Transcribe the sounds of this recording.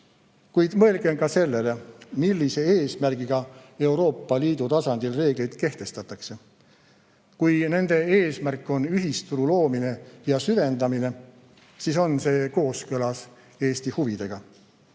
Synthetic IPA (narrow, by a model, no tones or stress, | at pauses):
kujd̪̥mɤelɡ̥e̞nkɑse̞lːe̞le̞milːise̞eːsmærɡ̥iɡ̥ɑe̞wɾo̞ːpːɑliːd̪̥ut̪ɑsɑnd̪̥ilre̞ːɡ̥lijd̪̥ke̞ht̪e̞st̪ɑt̪ːˑɑkse̞ | kujne̞nd̪̥e̞e̞ːsmærkːˑo̞nyɦist̪uɾulo̞ːmine̞jɑsyve̞nd̪̥ɑmine̞ | siso̞nse̞ːko̞ːskɤlɑs | e̞ːst̪ihuvid̪̥e̞ɡ̥ɑ